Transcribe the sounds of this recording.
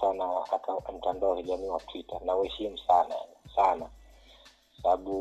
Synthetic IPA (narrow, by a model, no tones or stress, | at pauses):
tanawaʔakam̩tandaɔwakiʄamiːwatʰwita̰nawhɛʃimusana̰sana | kkḁsaɓaɓu